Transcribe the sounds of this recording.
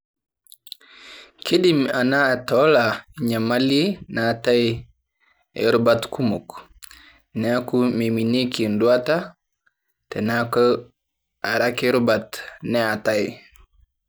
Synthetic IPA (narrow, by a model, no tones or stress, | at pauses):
kiɗimanaːtɔlaɲamalinataj | ɛ̰ɾubatkʰumuk | nɛakumeminekindwata | tɛnakɔ | aɾakeɾubatnɛataj